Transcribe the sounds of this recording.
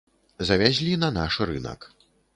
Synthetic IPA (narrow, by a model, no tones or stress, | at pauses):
zɐvʲazʲlʲinɐnaʂɾɨ̰nɐ̰k